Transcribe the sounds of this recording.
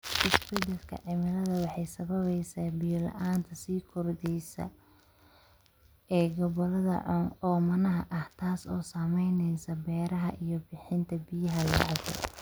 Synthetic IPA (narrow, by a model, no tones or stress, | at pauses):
ʔɪsbɛd̪ɐlkʰɐ̰ʕɪmɪlɐðɐwɑħɑjsɐβɐβɛjsaːbɪjɔlɐ̰ʔaːnt̪ʰɐsiːkʰɔrd̪ɛjsɐ̰ | ɛːɡɔβɔlɐðɐ̰ʕʊɔːmɐnɐɦɐʔɐht̪ʰaːsɔːsaːmɛjnɛjsɐbɛːɾɐɦɐʔijɔbɪħɪnt̪ʰɐbɪjɐɦɐlɑ̰ʕɣɛ̰